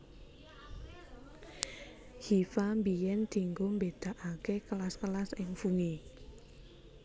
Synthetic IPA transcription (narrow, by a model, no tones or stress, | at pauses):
hifambijɛnd̪̥i̤ŋɡombed̪̥a̤ʔakekəlaskəlasɪŋfuŋi